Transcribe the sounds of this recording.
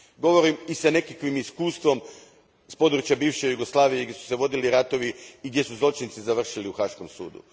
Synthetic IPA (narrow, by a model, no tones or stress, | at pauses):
ɡo̞ʋo̞ɾimisane̞kakʋimiskuːst̪ʋo̞m | spo̞d̪ɾut͡ʃjabiːʋʃejuɡoslˠaːʋijeɡd̪ʲjʲesu̥se̞ʋo̞d̪iliɾat̪o̞ʋiːɡd̪je̞suzlot͡ʃint̪sizaʋr̩ʃiliuxaːʃko̞msṵːd̪ṵ